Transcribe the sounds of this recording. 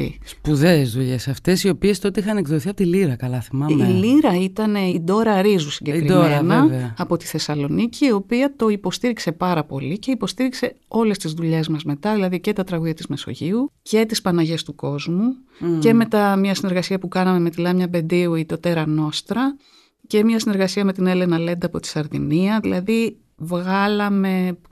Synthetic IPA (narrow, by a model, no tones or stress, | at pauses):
spuðezðuʎe̞sɐft̪e̞sio̞pie̞st̪ot̪eixɐnekðoiθiɐpot̪iliɾɐkɐlɐθimɐmiliɾɐit̪ɐne̞id̪o̞ɾɐɾizusiɲɟekɾid̪moenɐɐpo̞t̪i̥θe̞sɐlo̞niciːo̞piɐt̪o̞ipo̞st̪iɾikse̞pɐɾɐpo̞̰lice̞ipo̞st̪iɾikse̞o̞le̞st̪izðuʎe̞zmɐzme̞t̪ɐðilɐðice̞t̪ɐt̪ɾɐɣuðʝɐt̪izme̞so̞̰ʝiuce̞t̪ispɐnɐʝe̞st̪uko̞zmu | ce̞me̞t̪ɐmɲɐsine̞ɾɣɐsiɐpukɐnɐme̞met̪ilɐmɲɐbe̞nd̪iuit̪o̞t̪e̞ɾɐno̞st̪ɾɐ | ce̞mɲɐsine̞ɾɣɐsiɐme̞t̪ine̞le̞nɐle̞nd̪ɐːpo̞t̪i̥sɐɾðiniɐðilʔɐði | vɣɐlɐme̞